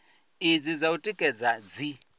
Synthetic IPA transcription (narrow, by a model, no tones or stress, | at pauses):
id͡zid͡zautʼikʼɛd͡zad͡zi